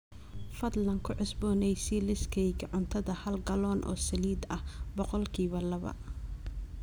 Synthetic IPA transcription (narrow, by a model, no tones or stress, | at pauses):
fɐd̪lɐŋkʰʊʕʊsbɔːnɛjsɛlɪskʰɛjkʰʕʊnt̪ʰɐðɐhɐlɡɐlɔːnʔɔ̰ːsɐliːd̪ɐhbɔqɔlkʰiːβɐlɐβɐ̰